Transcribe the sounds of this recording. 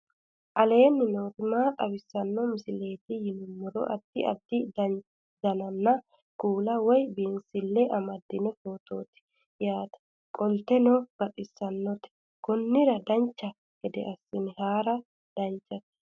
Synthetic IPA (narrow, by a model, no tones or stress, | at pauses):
ʔɐle̞ːnːɪno̞ːkɪmaːt̪ʼɐbɪsːɐnːɔmɪsɪle̞ːt̪ɪjɪnʊmːʊɾɔ̰ʔɐ̰d̪̥ːɪ̰ɐ̰d̪ːɪd̪ɐ | d̪ɐnɐnːɐ | kuːlɐwɔjbiːnsɪlːɛʔɐmɐd̪ːɪnɛfo̞ːt̪oːt̪ɪ̥ | jaːt̪ɐ̥ | kʼɔlt̪ɛnɔb̥ɐt̪ʼɪsːɐnːɔt̪ɪ̥ | kɔnːɪɾɐd̪ɐnt͡ʃːɐ | ɡ̥ɛd̪ɛ̰ʔɐsːɪnɪhaːɾɐ | d̪̥ɐnt͡ʃːɐt̪